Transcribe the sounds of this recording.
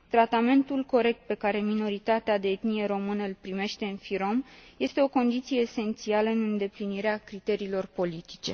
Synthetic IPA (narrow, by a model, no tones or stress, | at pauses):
t̪ɾat̪ame̞nt̪ulko̞ɾe̞k̚t̪̚pe̞kaɾe̞mino̞ɾit̪at̪ead̪eet̪nije̞ɾo̞mɨnəɨlpɾime̞ʃt̪e̞ɨnfiɾo̞mje̞st̪e̞o̞ko̞nd̪it̪sije̞ːse̞nt̪sialəɨnɨnd̪e̞pliniɾeakɾit̪e̞ɾiːlo̞rpo̞lit̪i̥t͡ʃe̞̰